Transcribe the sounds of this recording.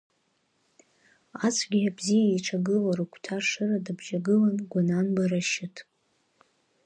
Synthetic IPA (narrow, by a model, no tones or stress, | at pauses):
at͡sʷʰɡʲiabzijaiʈ͡ʂʰaɡɨlaɾukʷʰtʰaʂɨradabʒaɡɨlanɡʷananbaɾaʃɪtʰʼ